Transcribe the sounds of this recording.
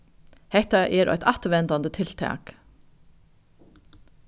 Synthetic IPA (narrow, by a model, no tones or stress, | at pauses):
hɛht̪aʔɛɾʔɔ̰ʏt̪ɑht̪ʋɛnt̪and̪ət̪ʰɪlt̪ʰæ̰ːk